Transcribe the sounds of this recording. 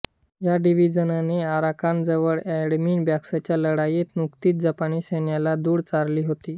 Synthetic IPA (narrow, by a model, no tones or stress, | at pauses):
jaɖiʋid͡zənaneaɾakand͡zəʋəɭɛɽmiːɳbjaksat͡ɕjaləɽajet̪nukt̪iːt̪̚d͡zapaniːɕenjalad̪uːɽt͡saɾliːɦot̪iː